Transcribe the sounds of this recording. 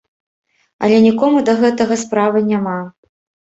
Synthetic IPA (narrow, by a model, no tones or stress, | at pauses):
ɐ̰lʲɛnʲikɔmud̪ɐɣɛt̪ɐɣɐspɾavɨnʲama